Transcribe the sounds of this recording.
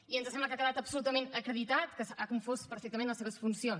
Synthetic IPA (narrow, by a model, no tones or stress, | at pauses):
iənzəsɛmbləkakəðat̪əpsulut̪əmẽnəkɾəðit̪at̪kəsakoɱfospəɾfɛkt̪əmẽnləseβəsfunsion